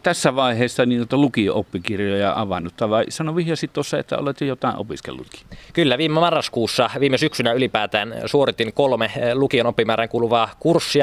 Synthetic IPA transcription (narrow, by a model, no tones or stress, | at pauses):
t̪æsːæʋɑˑiheˑːsːɑnint̪ut̪ɑlukioopːikirjojɑʔɑʋɑnːut̪ːɑʋɑˑisɑnoʋihjɑsit̪t̪osːɑḛt̪ːæ̰o̰let̪jejot̪ɑˑḛʔo̰piskḛlːṵt̪ki̥kylːæʋiːmemɑrːɑskuːsːɑʋiːmesyksynæylipæːt̪æːnsuorit̪ːinkolmelukionopːimæːɾæŋkuːluʋɑːkursːi